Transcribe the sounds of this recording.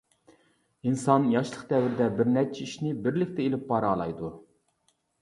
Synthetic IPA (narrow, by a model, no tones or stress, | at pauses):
insɑnjɑʃlˠəqd̪ɛwɪɾɪd̪ɛbɪɾnɛt͡ʃʰɛiʃnɪbɪɾlɪkʲt̪ʰɛelɪpːɑɾɑlˠɑ̰jd̪u